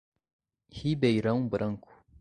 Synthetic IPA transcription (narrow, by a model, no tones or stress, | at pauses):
hibejɾɐŋbɨɾʔɐŋku̥